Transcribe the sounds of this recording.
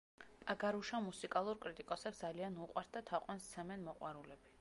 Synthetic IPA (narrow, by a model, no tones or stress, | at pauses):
pʼaɡaɾuʃamusikʼalˠuɾkʼɾit̪ʼikʼɔsɛpsd̪zalianuqʼwaɾt̪̚d̪at̪ʰaqʼwɛnst̪sʰɛmɛnmɔqʼwaɾulɛbi